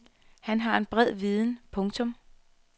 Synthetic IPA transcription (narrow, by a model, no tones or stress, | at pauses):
hænɦɑ̈e̝nb̥ʁɛð̰ˠʋiðˠn̩pʰɔ̽ŋt͡sʰɔ̽m